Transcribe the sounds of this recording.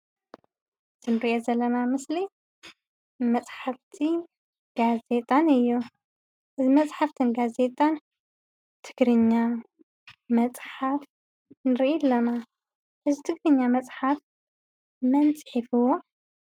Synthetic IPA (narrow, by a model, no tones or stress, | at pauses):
z̥ɨnɨɾiʔozɐlːɐnamɨsli | mɐt͡sʼħaft̪ʰi | ɡ̥aze̞t̪ʼanɨjːu | ʔɨzimɐt͡sʼħaft̪ʰɨnɡaze̞t̪ʼan | t̪ʰɨɡɾɨɲːa | mɐt͡sʼħaf | nɨɾʔelːɐna | ʔɨzit̪ʰɨɡɾɨɲːamɐt͡sʼħaf | mɐnt͡sʼħifɨwo